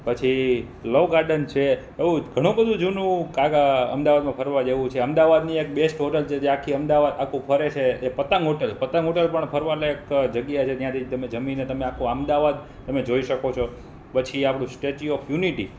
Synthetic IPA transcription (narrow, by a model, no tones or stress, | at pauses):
pət͡ʃʰi | loʋɡaɾɖənt͡ʃʰe | eʋũɡʱəɽ̃ũbəd̪ʱũd͡ʒunũkaɡaə̰md̪aʋad̪mãpʰəɾʋad͡ʒeʋũt͡ʃʰeəmd̪aʋad̪niek̚besʈɦoʈəlt͡ʃʰed͡ʒeakʰːiəmd̪aʋad̪akʰũpʰəɾet͡ʃʰeːpət̪ãŋɡɦoʈelpət̪ãŋɦoʈelpəɳpʰəɾʋaloekd͡ʒəɡjat͡ʃʰet̪jãt̪ʰid͡ʒt̪əmed͡ʒəminet̪əmeakʰõamd̪aʋad̪ | t̪əmed͡ʒoiʃəkot͡ʃʰo | pət͡ʃʰiapɽ̃ũsʈet͡ʃiɔfjuniʈḭ